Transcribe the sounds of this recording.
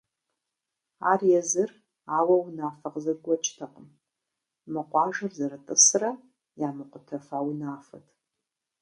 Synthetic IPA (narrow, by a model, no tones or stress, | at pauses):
a̰ːrjɛzɨr | aːwɐwnaːfɐqʼzɨrɡʷɔt͡ʃʼtʰɐqʼəm | mɨqʷʼɑːʒɨrzɐɾɨtʼɨsrɐ | jaːmɨqʷʼʊtʰɐfawnaːfɐ̰tʰ